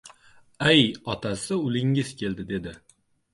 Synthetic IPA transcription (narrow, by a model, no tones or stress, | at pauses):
ajɒt̪ʰasɪʊlɪŋɪzkʲʰe̞ld̪ɪd̪e̞d̪ɪ